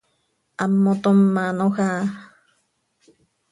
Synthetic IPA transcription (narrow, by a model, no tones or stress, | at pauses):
amːot̪omːãnoha